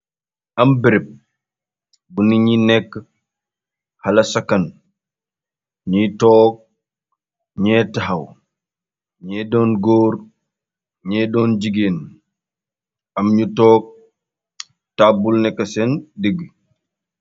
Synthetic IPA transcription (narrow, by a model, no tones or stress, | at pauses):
ʔɐmbiɾɛb̚ | buniɲinɛkː | hɐlɐsɐkɐn | ɲitɔːk̚ | ɲɛtaɦɐw | ɲɛdɔːnɡoːɾ | ɲɛdɔːnd͡ʒiɡeːn | ɐmɲutɔːk̚ | taːbulnɛkːɐsɛndəɡ